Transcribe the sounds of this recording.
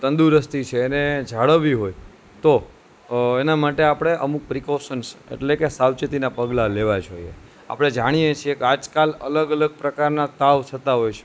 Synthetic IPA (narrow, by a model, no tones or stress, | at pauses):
t̪ə̃nd̪uɾəst̪it͡ʃʰeːned͡ʒʱaɭəʋiɦoj | t̪o | enamaʈeapɽ̃eʔəmuk̚pɾikoʃənsḛʈlekesawt͡ʃət̪inapəɡlaleʋad͡ʒoḭḛ | a̰pɽ̃ed͡ʒaɽ̃ijet͡ʃʰiekad͡ʒkalə̰ləɡələɡ̚pɾəkaɾnat̪aʋt͡ʃʰət̪aɦojt͡ʃʰe̥